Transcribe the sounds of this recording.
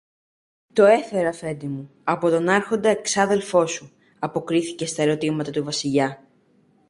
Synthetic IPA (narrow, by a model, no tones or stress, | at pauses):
t̪o̞e̞fe̞ɾɐfe̞nd̪imu | ɐpo̞t̪o̞nɐɾxo̞nd̪ɐeksɐðe̞lfo̞su | ɐpo̞kɾiθice̞st̪ɐeɾo̞t̪imɐt̪ɐt̪uvɐsiʎɐ